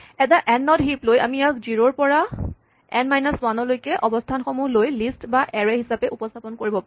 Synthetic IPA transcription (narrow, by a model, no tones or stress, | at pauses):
ɛtaʔɛnːɔtɦiploja̰miakziɹoɹpɔɹa | ɛnmajnaswanɔlojkɛʔɔbɔstʰanxɔmulojlistbaʔɛɹɛɦisapɛʔupɔstʰapɔnkoɹibɔpa